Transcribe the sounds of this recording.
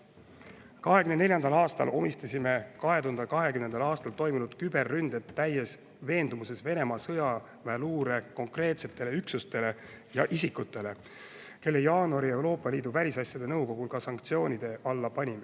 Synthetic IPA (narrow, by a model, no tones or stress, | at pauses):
kɑɦe̞kymnne̞lʲjɑnd̪ɑlɑːst̪ɑ̰lʔo̞mist̪ɑsʲime̞kɑɦe̞t̪uhɑnd̪ɑkɑɦe̞kymne̞nd̪ɑlɑːst̪ɑlt̪o̞jminud̪̥kyb̥e̞rːynd̪̥et̪ːæjes | ve̞ːnd̪umuse̞sve̞ne̞mɑsɤjɑ | væluːɾe̞ko̞ŋkre̞ːt̪se̞t̪ːˑe̞le̞yksust̪e̞le̞ | jɑʔis̬ikːˑut̪ːˑe̞le̞ | ke̞lːe̞jɑːnuɑɾie̞wɾo̞ːpˑːɑlʲiːd̪uvælʲisɑsʲjɑd̪̥e̞nɤwko̞ɡ̥ulkɑsɑŋkt̪sio̞ːnʲid̪̥e̞ʔɑlːɑpɑnʲime